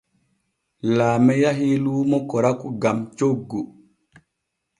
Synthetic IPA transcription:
laːmɛjaɦiluːmɔkɔɾakuɡamt͡ʃoɡːu

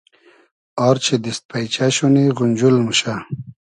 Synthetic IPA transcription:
ɔɾt͡ɕʰed̪ist̪̚pajt͡ɕaɕuniɣund͡ʑulmuɕa

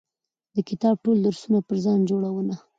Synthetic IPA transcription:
d̪əkɪt̪ɑb̚ʈold̪əɾsunapəɾzɑnd͡ʒoɽawəna

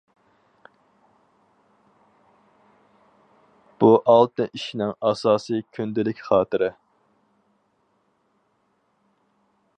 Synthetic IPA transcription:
b̥uʔɑlˠt̪ɨnʔiʃinɪŋɑsɑːsɨkʲʰynd̪ɪlɪkʲχɑːt̪ɨɾɪ

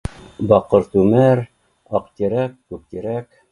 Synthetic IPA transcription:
bɑqɤ̆ɾt̪ʉmæɾ | ɑqt̪iɾækːʉp̚t̪iɾæk

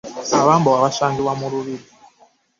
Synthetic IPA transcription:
aβambɔwaβaʃaŋɡiwamuɾuβidi

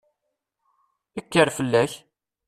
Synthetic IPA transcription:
əkːəɾfəlːæç

